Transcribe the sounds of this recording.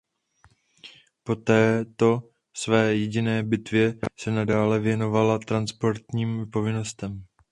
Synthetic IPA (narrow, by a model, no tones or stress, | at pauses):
po̞t̪ɛːt̪o̞ | svɛːjɛɟɪnɛːbɪt̪vjɛsɛnadaːlɛvjɛno̞valat̪ɾanspo̞ɾt̪ɲiːmpo̞vɪno̞st̪ɛm